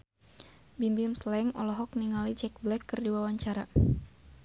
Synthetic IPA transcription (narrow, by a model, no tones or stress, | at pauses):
bimbimslɛŋɔlɔɦɔk̚niŋalid͡ʒɛk̚blɛkːɨrdiwawaɲt͡ʃaɾa